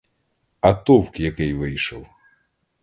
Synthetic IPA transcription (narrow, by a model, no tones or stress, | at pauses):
ɐt̪ɔwkjɐkɪjʋɪjʃɔw